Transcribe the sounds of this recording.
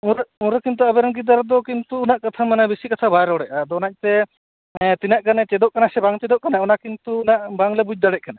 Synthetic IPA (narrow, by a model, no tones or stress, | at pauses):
uɾuɾɔkint̪uabɛɾaŋɡid̪aɾɔd̪ɔkint̪uːnaʔkat̪ʰamanabisikat̪ʰabaɾɔɔɽɛʔad̪ɔnac̚t̪ɛ | t̪inaʔɡanɛt͡ʃɛd̪ɔʔkanasɛbaŋt͡ʃɛd̪ɔʔkanaunakint̪uːnaʔbaŋlɛbud͡ʒ̚d̪aɽɛc̚kana